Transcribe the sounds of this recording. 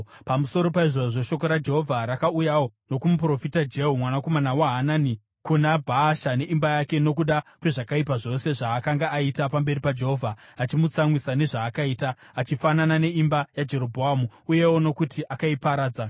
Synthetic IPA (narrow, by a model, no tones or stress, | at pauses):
pamuso̞ɾo̞paiʐoʐo̞ʃo̞k̬oɾad͡ʒe̞ɦo̞vʱaɾakaujawono̞kumup̬ro̞fitad͡ʒe̞ɦumwanako̞manawaɦanani | kunabʱaːʃane̞ʔimbajake̞no̞k̬uɗakwe̞ʐakaip̬aʐo̞se̞ʐaːkaŋɡaʔːitapambe̞ɾipad͡ʒe̞ɦo̞vʱaat͡ʃimut͡saŋwisane̞ʐaːkaiːtaːt͡ʃifananane̞imbajad͡ʒe̞ɾo̞bʱoɦamuuje̞wo̞no̞kutiʔakaipaɾaːd͡za